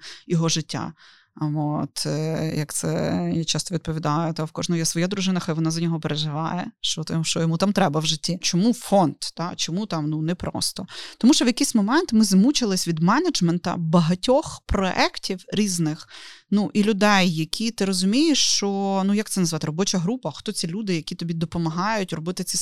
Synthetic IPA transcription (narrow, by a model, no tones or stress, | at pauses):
jɔɦɔʒɪtʲːa̰ | ot̪jɐkt̪sɛ̰jat͡ʃɑst̪ɔʋʲid̪̚pɔʋʲid̪ɑjʊt̪awkɔʒnɔjasʋɔjad̪ɾʊʒɪnɐxɐjʋɔnɑzɐnʲɔɦɔpeɾeʒɪʋɑ̰jɛʃt͡ʃɔt̪ʃt͡ʃɔjɔmut̪ɑmt̪ɾɛbɐwʒɪtʲːit͡ʃɔmufɔnd̪̥d̪ɑt͡ʃɔmut̪ɑmnunɛpɾɔ̰st̪ɔt̪ɔmuʃt͡ʃɔʋjɐkʲijsʲmɔmɛnt̪mɪzmut͡ʃɪlˠɪsʲʋʲid̪mɛnɐd͡ʒmɛnt̪ɐ̰bɐɦɐtʲɔxpɾɔʔɛktʲiwɾʲiznɪxnuʔilʲʊd̪ɛjːɐkʲʰit̪ɪɾɔzʊmʲijeʃt͡ʃɔnujɐk̚t̪ɛnɐzʋɑt̪ɪɾɔbɔt͡ʃɐɦɾupɐxt̪ɔt͡sʲilʲud̪ɪjɐkʲit̪ɔbʲid̪ɔpɔmɐɦɑjʊtʲrɔbɪt̪ɪt͡s̪ʲi